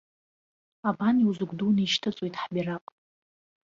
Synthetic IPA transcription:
abaniwzɨɡʷdunaiʃtʰɨt͡sʼojtʼħbʲiraqʼ

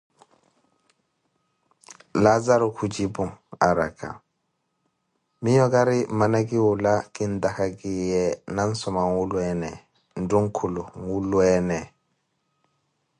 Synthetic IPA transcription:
lazaɾukʰud͡ʒibuŋaɾa̰ka̰ | mijɔɡaɾimanaɡiwulaɡ̥indakaɡijɛnansɔmaŋwuluɛnɛ | nduŋkʰuluŋwuluɛnɛ

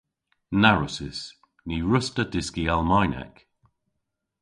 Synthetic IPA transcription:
naɹʊsɪs | niɹʊstəd̥ɪskialˠmajnɛ̰k

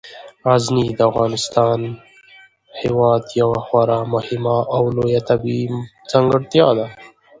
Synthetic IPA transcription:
aznid̪əafɣɑːnɪst̪ɑːn | hewɑːd̪jawaxwaɾamʊhɪmaʔawlojat̪abi | z̥aŋɡəɽt̪jɑd̪a

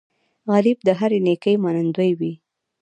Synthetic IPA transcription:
ɣalɪb̚d̪əɦaɾenekəjmanand̪wəjwi

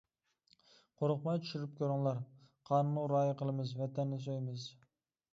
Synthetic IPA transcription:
qʰoɾʊq̚mɑjt͡ʃ̪ʰy̥ʃyɾyp̚kʲøɾɪŋlˠɑɾqʰɑːnnuɾɑːjəqʰəlˠɨmɨzvɛt̪ʰɛnːɪs̬ojmɪz

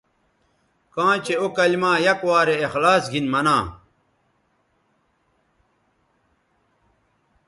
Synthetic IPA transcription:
kãːt͡ɕeokɐlmaːjɐkwaːɾeːxlaːsɡʱinmɐnãː

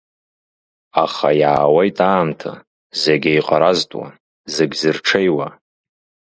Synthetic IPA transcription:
aχajaːwejtʼaːmtʰa̰ | zeɡʲajqʼaɾaztʼwa̰ | zeɡʲzɨrʈ͡ʂʰejwa

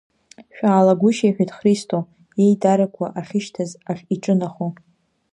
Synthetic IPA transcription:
ʃᶣaːlaɡʷʊʃajħᶣatʰʼχristʰʼo | je̞jdaɾakʷʰa̰ʔaχʲɪʃtʰazaχʲiʈ͡ʂʼɨnaχo

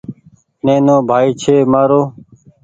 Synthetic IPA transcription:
nẽːnõːbʱaːiːt͡ʃʰeːmaːɾoː

